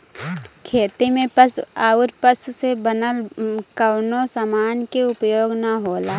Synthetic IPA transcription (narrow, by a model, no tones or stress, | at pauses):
kʰeːt̪imẽpəsaːʊɾpəsʊsebənəlkawnosamaːnkeʊpjoːɡnaɦoːlaː